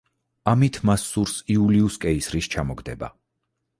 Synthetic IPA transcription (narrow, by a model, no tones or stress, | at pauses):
amit̪ʰmasːuɾsiuliuskʼɛisɾist͡ʃʰamɔɡd̪ɛba̰